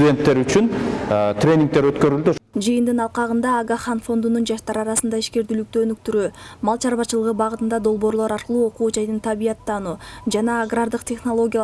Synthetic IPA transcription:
dʲe̞nt̪ːe̞ɾyt͡ʃynt̪ɾʲe̞nʲiŋk̚t̪e̞ɾø̞t̪kø̞ɾyld̪yd͡ʒɯjɯnd̪ɯnɑlˠqɑʁɯnd̪ɑːɡaχɑnfo̞nd̪unund͡ʒɑʃt̪ɑɾɑɾɑsɯnd̪ɑiʃke̞ɾd̪yːlyk̚t̪yønyk̚t̪yɾyːmɑlˠt͡ʃʰɑɾβɑt͡ʃɯlˠəʁɯbɑʁɯt̪ɯnd̪ɑd̪o̞lˠbo̞ːɾlˠo̞ɾɑɾqəlˠuːo̞quːd͡ʒɑjd̪ɯnt̪ʰɑβijɑt̪ːɑnuːd͡ʒɑnɑːɡrard̪ɯqtʲʰe̞χno̞lˠo̞ɡʲij

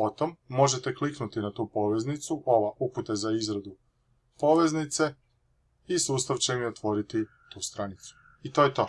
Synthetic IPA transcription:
po̞t̪o̞mːo̞ʒe̞t̪e̞kliknut̪inat̪uːpo̞ʋe̞znit̪suʔo̞ʋaʔuput̪azaizɾad̪u | po̞ʋe̞znit̪se̞ | isuːst̪aʋt͡ɕemiot̪ʋo̞ɾit̪i | t̪uːst̪ɾanit̪su̥ | it̪o̞jet̪o̞

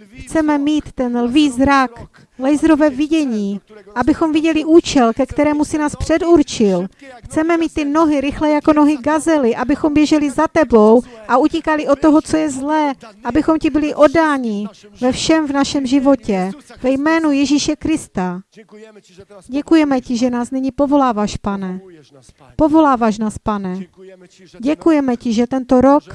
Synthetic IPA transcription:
xt͡sɛmɛmiːt̪ːɛnlviːzɾak | lɛjzɾo̞vɛːvɪɟɛɲiːʔabɪxo̞mvɪɟɛlɪʔuːt͡ʃɛlkɛkt̪ɛɾɛːmusɪnaːspr̥ɛduɾt͡ʃɪlxt͡sɛmɛmiːt̪̚ːɪno̞ɦɪɾɪxlɛjako̞no̞ɦɪɡazɛlɪʔabɪxo̞mbjɛʒɛlɪzat̪ɛbo̞wʔaʔucikalɪʔo̞t̪ːo̞ɦo̞t͡so̞jɛzlɛʔabɪxo̞mcɪbɪlɪʔo̞daːɲɪvɛfʃɛmvnaʃɛmʒɪvo̞cɛvɛjmɛːnujɛʒiʃɛkɾɪst̪a | ɟɛkujɛmɛcɪʒɛnaːsnɪɲipo̞vo̞laːvaːʃpanɛ | povo̞laːvaːʃnaːspanɛ | ɟɛkujɛmɛcɪʒɛt̪ɛnt̪o̞ɾok

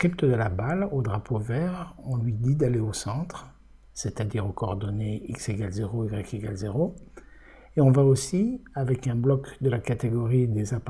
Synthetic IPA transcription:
tχipt̪əd̪əlabalod̪ʁapʰovɛʁɔ̃lɥid̪id̪aleosɑ̃t̪χ | set̪ad̪iʁokɔːʁd̪ɔneikseɡalzeʁoeɡʁɛkeɡalzeʁo | eɔ̃vaosiavɛkɛ̃blɔkd̪əlakat̪eɡɔʁid̪ezap

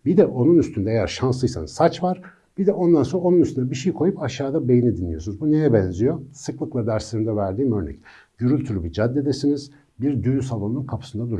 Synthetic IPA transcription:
bid̪ɛʔo̞nunyst̪ʰynd̪ɛejæɾʃansˠɯjsa̰nsat͡ʃvaɾ̥ | b̥id̪ɛʔo̞nd̪ansoɾaonunyst̪ynɛbiʃejikʰo̞jupaʃaːd̪abejinid̪inlʲːijsunuzbunejɛbænzijo̞sɯklˠɯklˠad̪æɾslʲeind̪ɛvæɾd̪iːmø̞ɾnɛ̰c | ɟyɾylʲt̪ʰyɾlʲybid͡ʒad̪ːed̪esiniz̥ | biɾd̪ynsalˠonnunkʰapʰɯ̥sɯnd̪ad̪uɾu

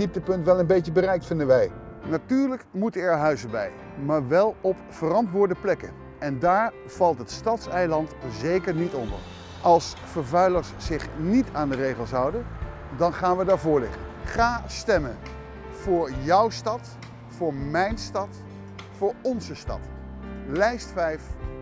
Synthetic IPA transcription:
dip̚dəpɵntʋɛlˠənbejcəbərɛjk̚tfɪndənʋɛj | natyːɹləkmutənɛɹɦœɥzəbɛj | maːɹʋɛlˠɔp | fərɑntʋʊːɹdəplɛkən | ɛndaːɹ | v̥ɑlˠtɦətstɑtsɛjlɑntzejkəɹnitɔndə̰ɹ | ʔɑlˠsfəɹvœɥləɹsːɪχnitʰaːndərejχəlˠsɦʌwdən | dɑnχaːnʋədaːɹvʊːɹlɪχtənχaːstɛmən | v̥ʊːɹjʌwstɑt | fʊːɹmɛjnstɑt | fʊːɹɔnzəstɑ̰t | lɛjstfɛjf

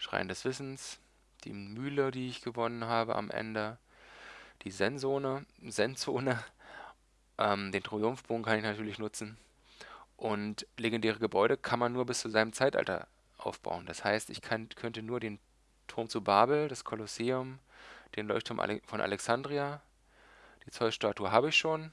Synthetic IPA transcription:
ʃʁ̥a̰ɪəndɛsv̥ɪsn̩s | d̥ḭːmyːlədiːɪçɡ̥əvɔnənɦaːbəʔa̰mʔɛ̰ndə | d̥iːzɛnzoːnəzɛnt͡soːnə | ʔɛmdeːntʁ̥ojʊmfb̥oːɡn̩kʰanɪçnatʰyːɐlɪçnʊt͡sn̩ | ʔʊntleɡɛndɛːʁ̞əɡəbɔʏɾəkʰanmanːuːɐbɪst͡suzaɪnəmt͡saɪtʔa̰ltɐ̰ | ʔa̰ʊfb̥a̰ʊəndashaɪstɪ̰çkʰankʰœntənuːɐɾeːn | tʰʊɐmt͡subaːbl̩daskʰoloseːʊmd̥eːnlɔ̰ʏçtʰʊɐmʔa̰fɔnʔa̰lɛksandʁia | d̥iːt͡sɔʏʃtaːtuːɐɦaːbəɪçʃoːn

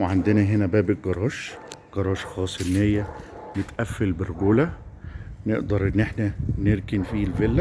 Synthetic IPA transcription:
weʕand̪ɪnæɦenæbæːbɪɡɑɾˤɑːʃɡ̥ɑɾˤɑːʃxɑːsˤenːejːæmet̪ʔæfːelbɪrɡuːlæ | neʔd̪ɑɾˤʔɪnːeħnæneɾkenfiːlvelːæ

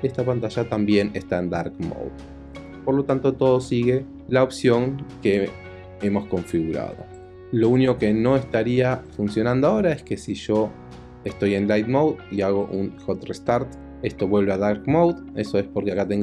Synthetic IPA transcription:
est̪apant̪aʒat̪ambje̞ne̞st̪aend̪aɾkmo̰wð | poɾlo̞t̪ant̪o̞t̪o̞ðo̞siɣe̞ | laopsjo̞ŋke̞ | e̞mo̞sko̞ɱfiɣuɾa̰ðo̞̰ | lo̞uniko̞ke̞no̞est̪aɾiafunsjo̞nãnd̪oao̞ɾae̞ske̞siʃo̞ | est̪o̞je̞nlajt̪̚mowðiaɣ̞o̞ʔunxot̪rest̪aɾt̪ | e̞st̪o̞βwe̞lβe̞aðaɾkmowð | e̞so̞e̞spo̞ɾke̞akat̪e̞ŋɡ

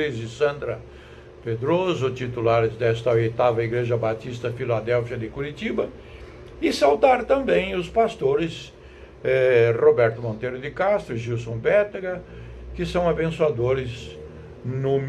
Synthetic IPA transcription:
izɪsɐ̃nd̪ɾɐ | ped̪ɾozʊt̪it̪ulaɾɪzd̪ɛst̪ɐojt̪avɐiɡɾeʒɐbat̪ist̪ɐfilad̪ɛwfjɐd̪ɪkuɾit̪ibɐ | ɪsawt̪aɾt̪ɐ̃mbẽj̃ʊspast̪oɾɪs | ɛrobɛɾt̪ʊmõnt̪ejɾʊd̪ɪkast̪ɾʊɪʒiwsõbɛt̪eɡɐkɪsɐ̃w̃abẽsuad̪oɾɪz | nʊm

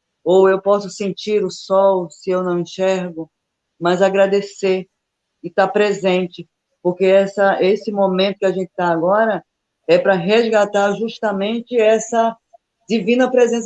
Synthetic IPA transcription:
owewpɔsʊsẽnt͡ʃiɾʊsɔwsɪewnɐ̃w̃ĩʃɛɾɡʊ | mɐzaɡɾad̪eseɾ | ɪt̪apɾezẽnt͡ʃɪ | poɾkeɛsɐesɪmõmẽnt̪ʊkɪaʒẽnt͡ʃ̪ɪ̥t̪aɡɔɾɐ | ɛpɾɐɦezɡat̪aɾʒuʃt̪ɐmẽnt͡ʃɪɛsɐ | d͡ʒivĩnɐpɾezẽs

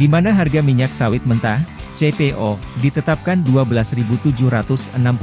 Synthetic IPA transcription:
dimanaɦarɡamiɲak̚sawɪt̪̚mənt̪ah | t͡ʃepeʔodit̪ət̪ap̚kanduabəlasribut̪ud͡ʒʊhɾat̪ʊsənamp

